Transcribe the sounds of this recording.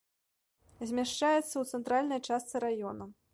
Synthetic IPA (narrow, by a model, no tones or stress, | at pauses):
zʲmʲaʂt͡ʂajɛt̪sːɐwt̪sɛnt̪ɾalʲnɐjt͡ʂast̪sɨɾajɔnɐ